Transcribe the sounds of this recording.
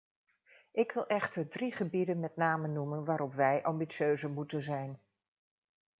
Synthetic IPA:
ʔɪkʋɪlˠʔɛχtərdriχəbidənmɛtnaːmənumənʋaːɾɔpʋɛjʔɑmbitsøɥzəmutənzɛjn

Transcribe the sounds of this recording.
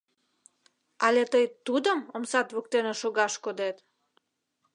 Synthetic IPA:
ɑlet̪əjt̪ud̪əmomsɑt̪βuk̚t̪eneʃoɣɑʃkod̪et̪

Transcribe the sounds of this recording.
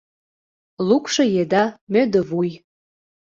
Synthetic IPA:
lukʃɤjed̪ɑmød̪əvuj

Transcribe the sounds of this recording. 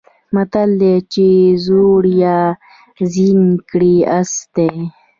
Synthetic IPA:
mat̪ald̪et͡ʃezoɽja | zinkɽiast̪e

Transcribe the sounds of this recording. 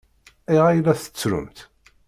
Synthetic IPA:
iʁajlæθə̥t͡sːɾʊ̰mt̪

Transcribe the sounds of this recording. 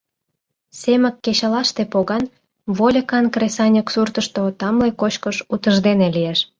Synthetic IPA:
semə̆kːet͡ɕɑlɑʃt̪epoɣɑn | βolʲəkɑnkresɑnʲəksurt̪əʃt̪ot̪ɑmlekot͡ɕkəʃut̪əʒd̪enelijeʃ

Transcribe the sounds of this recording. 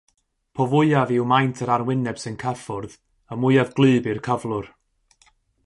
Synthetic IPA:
pʰɔvʊɨavɪwmajntʰəɾarwɪnɛb̥sɨnkʰafʊrð | əmʊɨavɡlˠɨːbɨrkʰəvlˠʊr

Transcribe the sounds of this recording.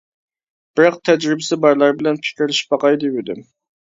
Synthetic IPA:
b̥ɪɾɑq̚t̪ʰɛd͡ʒɾɪbɪsɪbɑɾlˠɑɾbɪlɛnpʰɪ̥kʲɪɾlɪʃbɑqɑjd̪ɪwɪd̪ɪm

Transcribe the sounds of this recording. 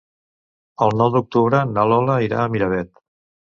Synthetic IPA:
əlˠnɔwd̪uk̚t̪uβɾənəlɔləiɾa̰ːmiɾəβɛt̪

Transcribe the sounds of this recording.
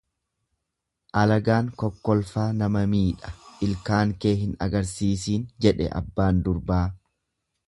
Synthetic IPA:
ʔɐlɐɡaːŋkɔkːɔlfaːnɐmɐmiːᶑɐ̥ʔɪlkaːŋke̞ːɦɪnɐ̰ɡɐɾsiːsiːnd͡ʒɛᶑɛ̰ʔɐ̰bːaːnd̪ʊɾbaː

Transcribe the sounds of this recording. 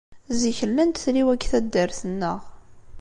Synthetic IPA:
ziçəlːænt̪θɾiwækːθæd̪ːəɾθənːəʁ

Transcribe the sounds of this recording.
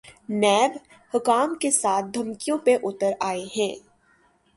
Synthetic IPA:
nɛːb | hʊkaːmkesaːt̪̚ʰd̪ʱɐmkijõpeʔʊt̪əɾaːeɦɛ̃ː

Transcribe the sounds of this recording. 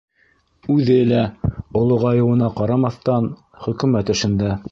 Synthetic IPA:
ʉðɘlæŏlˠoʁɑjɤ̆wɤ̆nɑqɑɾɑmɑθt̪ɑn | χɵ̆kɘ̆mæt̪ɵ̆ʃɘ̆nd̪æ

